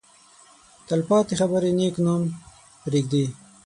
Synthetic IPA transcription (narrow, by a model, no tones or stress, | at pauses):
t̪ɐlpɑːt̪ixɐbəɾeneːknom | pɾeːɡ̚d̪i